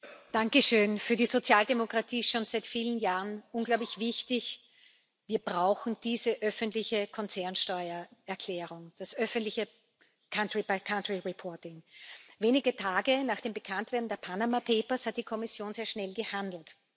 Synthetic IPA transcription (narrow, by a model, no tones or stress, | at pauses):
d̥aŋkəʃøːnfyːɐɾiːzot͡sjaːldemokʁ̥atʰiːɪtʃoːnz̥aɪtfiːlənjaːʁənʔʊnɡlaʊblɪçv̥ɪçtɪç | viːɐb̥ʁaʊxn̩d̥iːzəʔœfəntlɪçəkʰɔnt͡sɛɐnʃtɔʏɐɛɐkʰl̥ɛːʁʊŋd̥asʔœfəntlɪçə | kʰantʁibakʰãntʁ̥iʁipʰɔɐtɪŋveːnɪɡətʰaːɡənaːχd̥eːmbəkʰantv̥eɐdn̩deːɐpʰanamapʰeːpɐshat̚d̥iːkʰɔmɪsjoːnzeːɐʃnɛlɡəhandl̩t